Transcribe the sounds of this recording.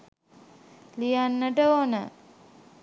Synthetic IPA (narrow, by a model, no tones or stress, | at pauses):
lijanːəʈəonə̰